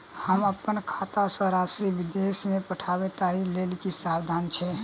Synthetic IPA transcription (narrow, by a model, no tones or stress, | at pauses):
həməpːənkʰat̪asə̃ɾasibid̪esmepəʈʰaβet̪ailelkisabd̪ʱant͡ʃʰɛ